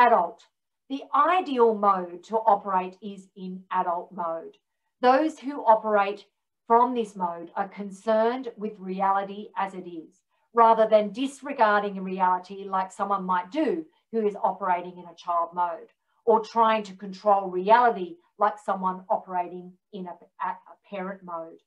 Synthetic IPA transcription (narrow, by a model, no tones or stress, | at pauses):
æɾəlˠt̚ | ðiʔaɪdil̩ˠmoʊd̚tʰəʔɑpə˞eɪɾɪzɪ̃næɾəl̩ˠt̚moʊd̪̚ | ðoʊz̥hʉʔɑpə˞eɪt | fɹʌ̃mðɪsmoʊɾə˞kʰɨ̃nsɜ̃˞ndwɪðɹiælˠəɾiʔɨzɨɾɪz̥ | ɹæðə˞ðɨ̃ndɪsɹɨɡɑɹɾɪ̃ŋɨɹiælˠəɾilaɪksʌ̃mwʌ̃nmaɪt̚d̥ɨ | hʉɨzɑpə˞eɪɾɪ̃ŋɨ̃nɨt͡ʃʰaɪlˠd̚moʊɾ | ʔə˞tʰɹ̥aɪɪ̃ŋtʰɨkɨ̃n̩tʰɹ̥oʊlˠɹiælˠəɾi | laɪksʌ̃mwʌ̃nɑpə˞eɪɾɪ̃ŋ | ɪ̃nɨ | əpʰɛɹɨ̃nmoʊd̥